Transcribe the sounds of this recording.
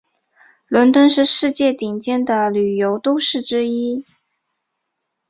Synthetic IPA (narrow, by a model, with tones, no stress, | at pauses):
lwə˧˥nt̪wə˥nʂɻ̩˥˧ʂɻ̩˥˧t͡ɕjɛ˥˩t̪i˨˩ŋt͡ɕjɛ˥˩nd̪ə˨ly˨˩jo˧˥ʊt̪o˥ʊʂɻ̩˥˩ʈ͡ʂɻ̩˥i˥